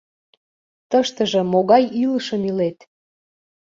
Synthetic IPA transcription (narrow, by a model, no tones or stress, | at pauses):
t̪əʃt̪əʒə̆moɣɑjiləʃəmilet̪